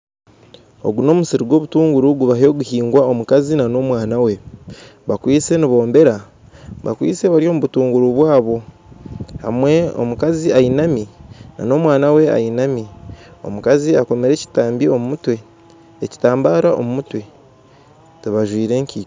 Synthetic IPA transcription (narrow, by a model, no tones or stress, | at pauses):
o̞̰ɡuno̞ːmusiɾiɡwo̞ːβutuːŋɡuɾuɡuβaho̞ːɡuhiːŋɡwao̞mukazinano̞mwaːnawe̞βakwiːse̞niβo̞ːmbe̞ɾa | βa̰kwḭːt͡se̞βaɾjo̞ːmuβutuːŋɡuɾuβwaːβo̞ | ha̰mwe̞o̰mukaziainamina̰no̞mwaːnawe̞a̰inamio̞̰mukaziako̞me̞ɾe̞ci̥taːmbio̞mumutwe̞ | eci̥taːmbaːɾaʔo̞̰mumutwe̞ | tuβaʒwiːɾe̞ːɲci̥ː